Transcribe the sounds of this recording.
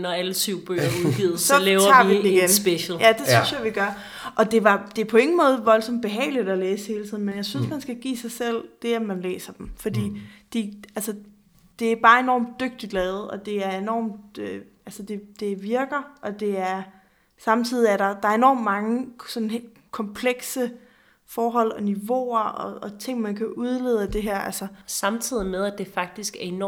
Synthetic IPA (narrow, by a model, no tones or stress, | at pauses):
nɒæləsyʊ̰b̥ø̰ɐuðˠɡ̥iːð̩ˠsɒlɛːʊɐɑ̰̈iid̩iɡ̥ensb̥eɕl̩jæd̥e̝synsjɑʋiɡ̥ɶɐ | ʔɒ̽d̥e̝ʋɑ̈d̥e̝æɐpʰɒ̽e̝ŋn̩mɔ̽ːð̞̩ˠʋɒ̽lsɒ̽md̥̚b̥e̝ɦɛ̰ːɪlid̥ɒleːshe̝ːlt͡sʰḭð̰ˠn̩menjɑ̈ɪsynsmænsɡ̥æɡ̥ḭːsɑ̈ɪsel̰d̥e̝æmænlḛːsɐd̥emfɒ̽d̥ḭːd̥iælsə | d̥e̝æɐb̥ɑ̈ːe̝nɒ̰ːmd̥ːøɡ̥̚d̥id̥lɛːð̞̩ˠɒ̽d̥e̝æɐe̝nɒ̰ːmd̥øʔælsəd̥e̝d̥e̝ʋiɐɡ̥ɐʔɒ̽d̥e̝æɐ | sɑ̈mt͡sʰið̰ˠiæɐɾɑ̈d̥ɑ̈ɐe̝nɒ̰ːmd̥mɑ̈ŋəsɒ̽nhe̝̰l̥ | kʰɒ̽mpʰleɡ̥sə | fɒːɦɒ̽l̰ɒ̽niʋo̝̰ɐɒ̽ːt͡sʰe̝ŋ̰mænkʰæʔuð̞ˠleð̞̰ˠəd̥e̝ɦæɐ̰ʔælsəsɑ̈mt͡sʰið̰ˠimeðˠæd̥e̝fɑ̈ɡ̥̚d̥isɡ̥æɐen